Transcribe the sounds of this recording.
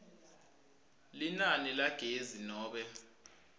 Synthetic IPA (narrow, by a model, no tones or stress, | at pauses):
linanilaɡ̥ʱezinɔːɓɛ